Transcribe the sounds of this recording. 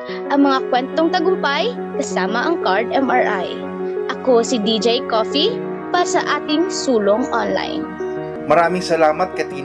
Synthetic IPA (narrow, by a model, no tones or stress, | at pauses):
ʔɐŋmɐŋakwɛnt̪oŋt̪ɐɡʊmpaj | kɐsaːmɐʔɐŋkaɹd̪ɛmɐɹʔa̰j | ʔɐko̞sid̪id͡ʒɛjkoːfi | paːɾɐsɐʔaːt̪ɪŋsuːloŋʔonla̰jn | mɐɾaːmɪŋsɐlaːmɐt̪̚kɐt̪iː